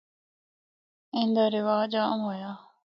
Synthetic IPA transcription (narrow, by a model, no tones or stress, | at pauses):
ẽnd̪aɾɪʋaːd͡ʒaːɐmɦojaː